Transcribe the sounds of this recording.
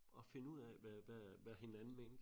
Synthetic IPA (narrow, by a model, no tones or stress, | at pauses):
ɒ̽fe̝nəuð̰ˠɛʋæʋæʋæhe̝nænn̩mend̥